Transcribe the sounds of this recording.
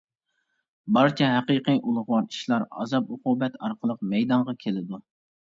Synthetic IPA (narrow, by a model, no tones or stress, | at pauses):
bɑɾt͡ʃʰɛɦæqiqijʔulˠʊχwɑɾt͡ʃ̪ʰi̥ʃlˠɑɾɑ̰zɑpʊqubɛt̪ʰɑɾqʰəlˠəq̚mɛjd̪ɑɴʁɑkʲʰelɪd̪u